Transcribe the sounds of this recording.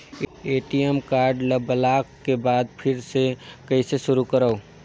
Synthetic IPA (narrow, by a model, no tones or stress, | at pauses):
eːʈiemkaːɾɖləbəlaːkːebaːd̪pʰɪɾsekəɪseʃʊɾukəɾəo